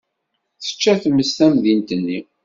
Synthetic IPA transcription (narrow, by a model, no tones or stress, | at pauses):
θə̥t͡ʃːæθəmːəst̪æmðint̪ənːi